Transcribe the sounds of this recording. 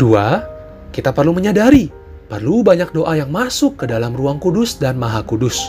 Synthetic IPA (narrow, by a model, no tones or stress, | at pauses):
dua | kit̪apərluməɲadaɾi | pərlubaɲak̚doʔajaŋmasʊkːədalamruaŋkudʊsdanmaɦakudʊs